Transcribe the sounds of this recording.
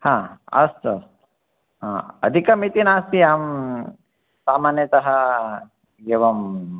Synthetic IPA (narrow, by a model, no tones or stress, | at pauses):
hãːɐ̰st̪ɐst̪ | ɦã̰ːɐ̰d̪ʱikɐmit̪inaːst̪iaːm | saːmaːnjɐt̪ɐɦɐ | ɡeʋɐm